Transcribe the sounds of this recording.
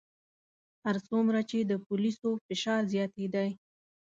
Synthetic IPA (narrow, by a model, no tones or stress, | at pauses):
haɾsumɾat͡ʃed̪əpʊlisofɪʃɑɾzjɑt̪ed̪aj